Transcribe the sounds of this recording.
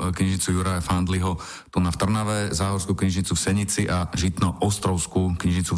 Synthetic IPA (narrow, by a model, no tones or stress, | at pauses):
kɲiʒɲit͡sujuɾajafand̪liɦɔ | t̪unaft̪r̩naʋɛzaːɦɔɾskuːkɲiʒɲit͡sufsɛɲit͡siʔaʒit̪nɔʔɔst̪ɾɔʊskuːkɲiʒɲit͡su